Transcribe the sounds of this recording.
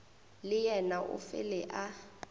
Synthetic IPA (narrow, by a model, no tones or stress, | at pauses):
lɪjɛnaʔʊ̰fɪ̰lɛʔa